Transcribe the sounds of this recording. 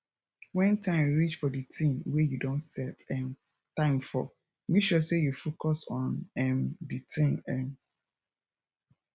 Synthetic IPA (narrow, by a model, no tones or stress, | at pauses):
wɛ̃ntãɪ̃mɹit͡ʃfɔditʰĩmwejudõntsɛtɛ̃n | tãɪ̃mfɔ̰ | miʃɔsejufokɔsɔ̃nɛ̃mditʰĩnɛ̃m